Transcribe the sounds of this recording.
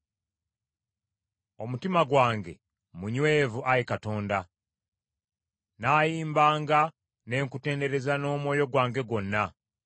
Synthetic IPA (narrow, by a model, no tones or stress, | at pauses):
o̞mutimaɡwaːŋɡe̞̰ | muɲweːvuʔaɾikato̞ːnda | naːjiːmbaːŋɡa | ne̞ːŋkute̞ːnde̞ɾe̞zano̞ːmwo̞ːjo̞ɡwaːŋɡe̞ɡwo̞nːa